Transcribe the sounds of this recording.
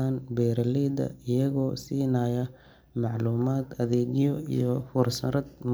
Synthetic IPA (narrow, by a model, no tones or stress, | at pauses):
aːnbɛːɾɐlɛd̪ɐ̰ɪjɐɣɔːsiːnajɐ | mɑʕluːmaːd̪ɐðɛːɡjɔḭjɔfʊrsɐɾɐd̪m